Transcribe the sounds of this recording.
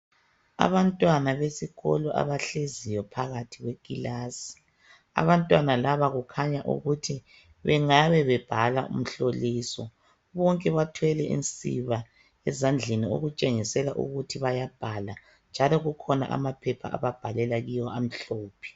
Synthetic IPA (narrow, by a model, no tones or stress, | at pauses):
a̰βantʼwanaβesiɣɔ̰lɔʔa̰βaɬezijɔpʰaɣatʰiɣwekʼilasi̥ | a̰βantʼwanalaβaɣukʰaɲaʔṵɣutʰi | βɛŋaβɛβɛb̥ʱalaṵm̩ɬoliːsɔ | βɔŋkʼɛβatʰwɛlɛʔḭnt͡sʼḭβa | ɛzand͡ɮʱenio̰ɣut͡ʃʼeŋisɛlaʔṵɣutʰiβajab̥ʱala | nd͡ʒʱalɔɣukʰɔna̰ʔa̰mapʰɛpʰa̰ʔa̰βab̥ʱalɛlaɣijɔam̩ɬoːpʰi̥